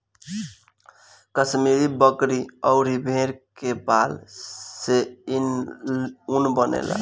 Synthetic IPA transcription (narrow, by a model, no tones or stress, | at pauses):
kəsmiɾibəkɾiɔʊɾibʱeɾkebalsein | unbənḛla̰